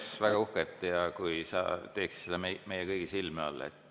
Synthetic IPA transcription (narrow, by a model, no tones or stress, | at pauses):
svæɡ̥ɑuhket̪ːˑjɑkujsɑ̰t̪e̞ːkssed̪ɑmemejekɤjɡ̥isilmeo̰lːḛt̪ːˑ